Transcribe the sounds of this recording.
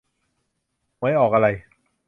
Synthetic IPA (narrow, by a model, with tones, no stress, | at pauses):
ma˦˥jʔɔː˨˩k̚ʔa˧ɾa˧j